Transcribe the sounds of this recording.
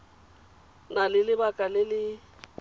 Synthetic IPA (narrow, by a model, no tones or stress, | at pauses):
nalɪlɪbakʼalɪlɪ